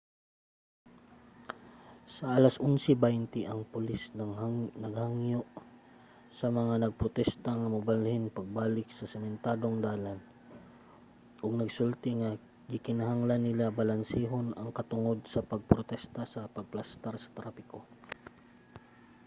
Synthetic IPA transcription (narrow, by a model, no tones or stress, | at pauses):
sɐʔalasʔʊnsɛbant̪ɪʔɐŋpʊlisnnɐɡhaŋjoʔ | sɐmɐŋanɐɡ̚pɾot̪ɛst̪aŋɐmɐbalhɪnpɐɡ̚baːlɪk̚sɐsɛmɛnt̪aːd̪oŋd̪aːlan | ʔoɡ̚nɐɡsult̪ɪŋɐ | kikɪnaɦaŋlanːɪlabɐlansiːɦonɐŋkɐt̪ʊŋo̞d̪̚sɐpɐɡ̚pɾot̪ɛst̪asɐpɐɡ̚plast̪aɾsɐ̥t̪ɾaːpɪko